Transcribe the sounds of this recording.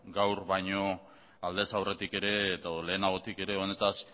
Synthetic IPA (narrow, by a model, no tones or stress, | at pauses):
ɡawɾβajɲo̞ | ald̪e̞sawre̞t̪ike̞ɾe̞ːt̪ale̞ːnaɣ̞o̞t̪ike̞ɾe̞o̞ne̞t̪as